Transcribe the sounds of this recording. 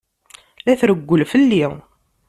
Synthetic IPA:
læθɾəɡʷːəlfəlːi

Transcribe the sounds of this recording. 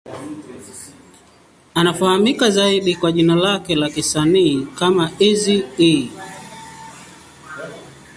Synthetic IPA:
anafahamikazaiɗikwaʄinalakɛlakisaniːkamaizii

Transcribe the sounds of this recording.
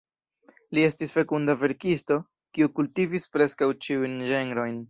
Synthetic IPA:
lie̞stisfe̞kundave̞ɾkisto̞ | kiukultivispɾe̞skawt͡ʃiujnʒeŋɡɾo̞jn

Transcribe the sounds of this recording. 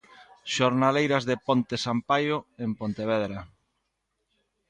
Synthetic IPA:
ʃoɾnalejɾazðepont̪esampajoempont̪eβ̞ɛðɾa

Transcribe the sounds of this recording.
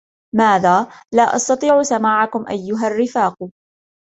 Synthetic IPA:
maːðaːlaːʔɑ̰st̪ɑt̪ˤiːʕʊsamaːʕakʊmʔajːʊɦarːɪfaːq

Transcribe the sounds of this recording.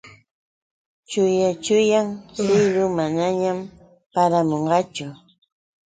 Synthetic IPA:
t͡ʃʊjat͡ʃʊjaŋsɪjɾʊmanaɲam | paɾamoɴɢɑt͡ʃʊ

